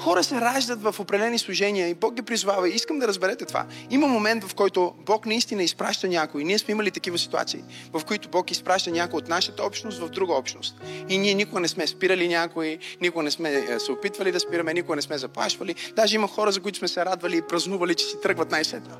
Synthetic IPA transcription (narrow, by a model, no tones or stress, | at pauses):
xɔɾəsɛɾaʒd̪ət̪vɐfopɾɛd̪ɛlɛnislˠʊʒɛniəibɔk̚ɡʲipɾizʊvavɐiiskəmd̪ɐɾəzbɛɾɛt̪ɛt̪o̥va̰iməmomɛnt̪vɐfkɔjt̪ʊbɔknɐist̪inəispɾa̰ʃt̪ɐnʲakʊiniɛsmɛiməlit̪ɐkivəsi̥t̪ua̰t̪sḭḭ | vɐfkoit̪ʊbɔkispɾaʃt̪ənʲakojot̪naʃət̪əɔpʃt̪nost̪vɐvd̪ɾuɡəɔpʃt̪no̰st̪iniɛnʲikʊɡənɛsmɛspiɾəlinʲakoinʲikʊɡənɛsmɛsɛopit̪vɐlid̪ɐspiɾɐmɛnikʊɡənɛsmɛzɐplˠa̰ʃvɐlid̪aʒɛimɐxɔɾəzɐkoʊit̪ʊ̥smɛsɛɾad̪vɐliːpɾɐznuvɐlit͡ʃɛ̥sɛt̪ɾɤɡvɐt̪najsɛt̪o